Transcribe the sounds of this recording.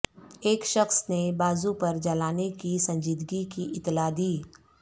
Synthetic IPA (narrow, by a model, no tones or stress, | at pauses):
eːkʃɐxsnebaːzupɐɾd͡ʒɐlaːnekisɐ̃ɲd͡ʒiːd̪ɡikiʔɪt̪ːlad̪iː